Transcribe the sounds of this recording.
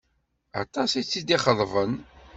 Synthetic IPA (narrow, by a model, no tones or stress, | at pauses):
ɑ̰t̪ˤɑsit͡sːid̪iχəðˤvən